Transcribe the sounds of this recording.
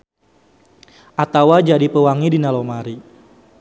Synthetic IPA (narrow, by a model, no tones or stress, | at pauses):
ʔat̪awad͡ʒadipəwaŋidinalomaɾi